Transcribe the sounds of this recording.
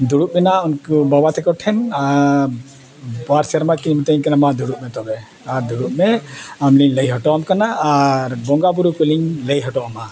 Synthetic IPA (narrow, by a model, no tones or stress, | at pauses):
d̪uɽuʔ̚mɛnaɔnkubɔbat̪ɛkɔʈʰɛna | baɾsaɾmat̪̚kinimit̪eɲkanamad̪uɽuʔ̚mɛt̪ɔbɛ | aɾd̪uɽuʔ̚mɛamliɲləjɦɔʈɔamkanaʔːɾbɔŋɡabuɾukuliɲləjɦɔʈɔama